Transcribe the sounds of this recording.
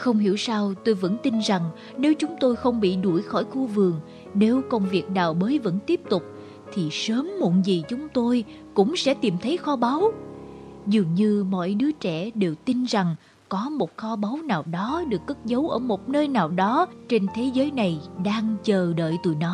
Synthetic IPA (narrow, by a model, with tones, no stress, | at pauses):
xə˧wŋ͡mɦḭ˧˩əwsaː˧wt̪o˧jvə̰˧˥nt̪i˧nza˨˩ŋ | ne˨˦wt͡ɕʊ˨˦ŋ͡mt̪o˧jxə˧wŋ͡mɓḭ˧˨ɗu˧˩jxɔ̰˧˩jxu˧vɨ˨˩əŋ | ne˨˦wkə˧wŋ͡mvi˨˩ək̚ɗaː˨˩wɓəː˨˦jvə̰˧˥nt̪i˦˥əp̚t̪ʊ˨˩k͡p̚ | t̪ʰi˨˩səː˨˦mːṵ˧˩nzi˨˩t͡ɕʊ˨˦ŋ͡mt̪o˧j | kʊ̰˧˥ŋ͡msɛ̰˧˥t̪i˨˩mt̪ʰə˨˦jxɔ˧ɓa˨˦w | zɨ˨˩əŋɲɨ˧mɔ̰˧˨jɗɨ˨˦ət͡ɕɛ̰˧˩ɗe˨˩wt̪i˧nza˨˩ŋ | kɔ˨˦mo˨˩t̚xɔ˧ɓa˨˦wnaː˨˩wɗɔ˨˦ɗɨ˨˩əkːə˦˥t̚zə˨˦wʔəː˧˩mo˨˩t̚nəː˧jnaː˨˩wɗɔ˨˦t͡ɕe˧nt̪ʰe˨˦zəː˨˦jna˨˩jɗaː˧ŋt͡ɕəː˨˩ɗə̰ː˧˨jt̪ṵ˧˩˨jnɔ˨˦